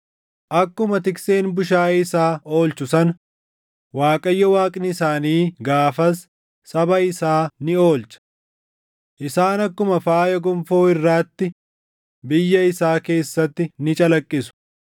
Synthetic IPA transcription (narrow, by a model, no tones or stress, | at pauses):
ʔɐkːʊmɐt̪ɪkse̞ːnbʊʃ̬aːɪsaːo̞ːlt͡ʃʊsɐn | waːkʼɐjːɔwaːkʼnɪɪsaːniːɡaːfɐsː | ɐbɐɪsaːnɪo̞ːlt͡ʃɐ̥ | ʔɪsaːnɐkːʊmɐfaːjɐɡʊmfo̞ːɪrːaːt̪ːɪ | bɪjːɐɪsaːke̞ːsːɐt̪ːɪnɪt͡ʃʼɐlɐkʼːɪsʊ̥